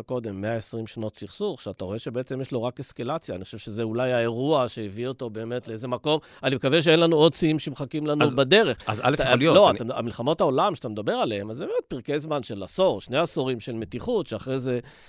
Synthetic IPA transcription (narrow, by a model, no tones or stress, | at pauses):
ko̞d̪e̞mːeaesʁimʃno̞tsiχsuχʃeataʁo̞eʃebeet͡semjeʃlo̞ʁakeskalat͡sjaːniχo̥ʃevʃezeulajaeʁuaʃejevio̞to̞be̞ːme̞tleeze̞mako̞m | animekaveʃ̬eenlanuod̚t͡siimʃemχakimlanubad̪e̞ʁe̞χaza̰lefjolo̞aamilχamo̞thao̞lamʃeat̪amed̪abe̞ʁaleemazebemet̪̚piʁkejzmanʃelaso̞ʁʃne̞asoʁimʃe̞lme̞tiχut̪ʃeaχʁejze